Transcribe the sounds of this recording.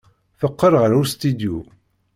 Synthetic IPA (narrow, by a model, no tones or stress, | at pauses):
fəqːəɾˤʁəɾust̪id̪ju